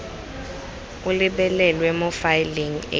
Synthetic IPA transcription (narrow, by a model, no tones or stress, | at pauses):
uliɓɛlɛlwɛmɔfajliŋḛ